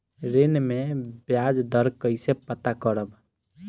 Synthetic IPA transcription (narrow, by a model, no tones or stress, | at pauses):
ɾenmebjad͡ʒd̪əɾkəɪsepət̪akəɾəb